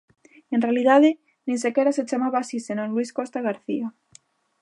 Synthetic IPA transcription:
enrealiðaðe | nĩnsekeɾaset͡ʃamaβaːsisenoŋlwiskost̪aɣ̞aɾθia

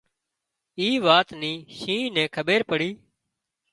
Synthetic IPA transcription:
iːʋaːt̪niːʃĩːnɛ̃ːkʰəɓeːɾpəɽiː

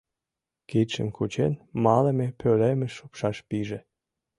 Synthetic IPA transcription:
kit̪ʲʃə̰mkut͡ɕenmɑlemepølemeʃupʃɑʃpiʒe

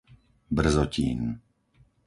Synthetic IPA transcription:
br̩zɔciːn

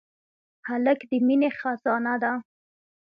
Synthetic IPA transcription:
haləkd̪əminexazɑnad̪a

